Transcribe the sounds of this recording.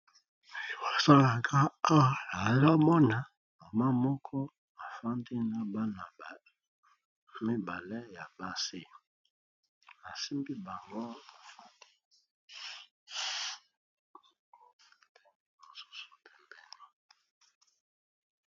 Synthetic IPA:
wa˨sa˦la˨kʰa˦a˦wa˨a˨˦la˦mɔ˦na˨ | ma˨ma˦mɔ˦kʰɔ˦ | a˨fa˦ndi˦na˨ba˦na˨ | mi˦ba˨lɛ˦ja˨ba˦si˦˨ | a˨si˦mbi˦ba˨ŋɡo˦a˨fa˦ndi˦ | mo˨su̥˦su˨pɛ˨mbɛ˦ŋa˦

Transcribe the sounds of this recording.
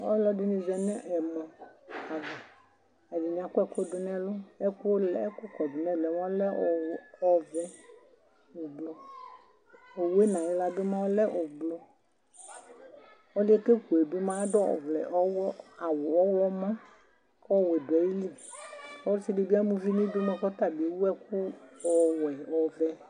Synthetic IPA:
o˦lɔ˦di˦nĩ˦zɛ˨nɛ˦ʔɛ˨mɔ̃˨a˨vɛ˨ | e˨di˨ɲ˨ã˨kɔ˦ɛ˦ko˦do˦nɛ̃˦lo˦e˦ku˦o˦lɛ˦ko˦kɔ˨do˨nɛ̃˦˨lɛ˨mã˦lɛ˦˨ɔ˦vɛ˦ | wo˨blo˨ | o˨we˦nã˨we˦la˦be˦mã˦wo˦lɛ˦ʔo˨blo˦ | o˦le˦ke˦ku˨e˨be˦mã˦dɔ˦ɔ̰˨vlɛ̰˨ʔɔ˦wɔ˦a˨wo˨ɔ˦wɔ˦mã˦ | kɔ˦wɛ˨dwɛ˨ji˦li˦˨o˦t͡ʃi˦de˨˦bi˦a˦mũ˦vi˦nĩ˦do˦mɛ˦kɔ˦t̪a˦˨bi˨˦wu˦ɛ˦ku˦ɔ˨wɛ˨ɔ˨vɛ˦

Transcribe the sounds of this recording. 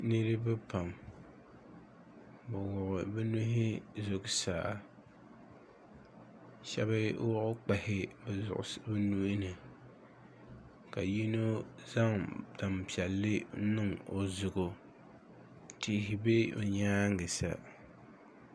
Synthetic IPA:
nɨ˦ɾɨ˦bɨ˦pa˨m | bʊ˨wʊ˨ʔʊ˨bɛ˦nu˦ɦɪ˦zo˦ksaː˨˦ | ʃɛ̰˦ba˦wɔ˦ʔʊ˦k͡pa˨hɪ˦bɛ˨zʊ̰˨ʔʊ̰˨˦bɛ˦nu˦nɨ˨ | ka˨ji˦no˦za˦ŋda˨mpi˨ɛ˨lːɨ˦nɨ˦ŋo˨zʊ˨ɡo˨ | tɪ˦ɦɪ˨be˦o̰˨ɲaː˦ŋ˦ɡɨ˨sa̰˨

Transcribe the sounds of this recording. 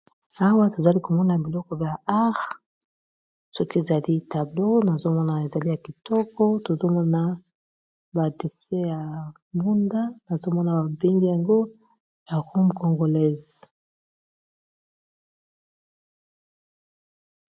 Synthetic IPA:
a˦wa˦to˨za˨li˦ko˨mɔ˦na˨bi˨lɔ˦kɔ˦bja˨a˦ʁ | sɔ˦ki˦e˨za˨li˦ta˨blo˦na˨zo˦mɔ˦na˨e˨za˨li˦ja˨ki˨tɔ˦kɔ˦to˨zo˦mɔ˦na˦ | ba˨de˨sɛ˦ja˨ | mbu˦nda˦na˨zo˦mɔ˦na˨ba˨be˦ŋɡi˦ja˨ŋɡo˦ | ja˨ʁo˦mko˨ŋɡo˨lɛ˦z

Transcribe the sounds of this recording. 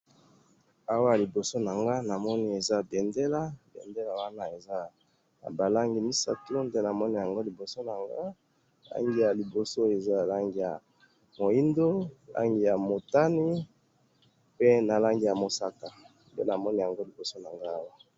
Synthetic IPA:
a˦wa˦˨li˨bo˨so˦na˨ŋɡa˦na˨mɔ˦ni˦e˨za˦be˨nde˦la˦bḛ˨nde˦la˨wa˦na˦e˨za˦ | a̰˨ba˨la˦ŋɡi˨mi˦sa̰˦to˦nde˦na˨mɔ˦ni˦ja˨ŋɡo˦li˨bo˨so˦na˨ŋɡa˦˨ | la̰˦ŋɡi˦ja˨li˨bo˨so˦e˨za˦˨la˦ŋɡi˦ja˨ | mo˨i˦ndo˦˨lʔa̰˦ŋɡi˦ja˨mo˨ta˦ni˦ | pe˦na˨la˦ŋɡi˦ja˨mo˨sa˦ka˨ | ndḛ˦na˨mɔ˦ni˨ja˨ŋɡo˦li˨bo˨so˦na˨ŋɡa˦a˦wa˦

